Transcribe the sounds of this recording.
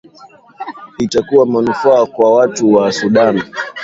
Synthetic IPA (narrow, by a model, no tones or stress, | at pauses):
itakuwamanufaːkwawatuwasuɗan